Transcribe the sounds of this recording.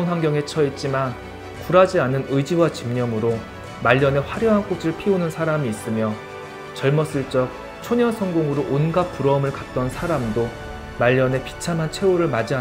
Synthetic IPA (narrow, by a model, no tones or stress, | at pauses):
ŋɦaŋɡjʌŋe̞t͡ɕʰʌit̚t͡ɕ͈iman | kuɾad͡ʑianɯnɯjd͡ʑiwat͡ɕimɲʌmɯɾo | maʎːʌne̞ɸwaɾjʌɦank͈osʰɯɭpʰionɯnsʰaɾamiːs͈ɯmjʌ | t͡ɕʌɭmʌs͈ɯɭt͡ɕ͈ʌk̚ | t͡ɕʰoɲʌnsʰʌŋɡoŋɯɾoʔonɡap͈uɾʌɯmɯɭkat̚t͈ʌnsʰaɾamdo | maʎːʌne̞pi̥t͡ɕʰamɦant͡ɕʰe̞oɾɯɭmad͡ʑia